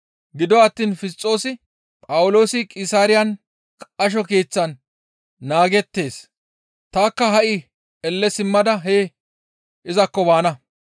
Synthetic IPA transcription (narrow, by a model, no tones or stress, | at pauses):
ɡɪd̪ɔɐt̪ːiːnfɪst͡sʼːo̞ːsɪ | pʼɐwʊlo̞ːsɪkʼɪsaːɾɪjɐn | kʼɐʃ̬ɔke̞ːt͡sːɐnː | aːɡɛt̪ːe̞ːs | t̪aːkːɐɦɐʔɪ | ɛlːɛsɪmːɐd̪ɐɦeː | ɪzɐkːɔbaːnɐ